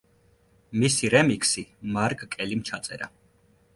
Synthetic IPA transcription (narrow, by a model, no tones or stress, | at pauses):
misiɾɛmikʰsimaɾkʼkʼɛlimt͡ʃʰat̪sʼɛɾa̰